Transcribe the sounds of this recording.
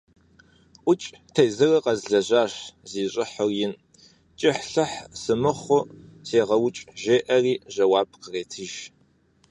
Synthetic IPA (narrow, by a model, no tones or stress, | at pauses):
ʔʷʊt͡ʃʼtʰejzɨrɐqɐzɮɐʑʷaːɕziːɕʼɪħʊrjɪn | t͡ʃʼɪħɬɨħsɨmɨχʷʊseːʁɐwʊt͡ʃʼʒeːʔɐriːʒɐwaːb̥̚qəreːtʰɨʒ